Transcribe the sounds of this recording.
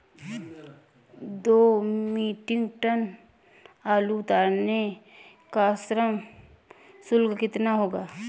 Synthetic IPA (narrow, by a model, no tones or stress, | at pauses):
d̪oːmiːʈɪ̃ŋɡʈən | aːluʊt̪aːɾne | kasɾəm | sʊlɡkɪt̪naɦoːɡaː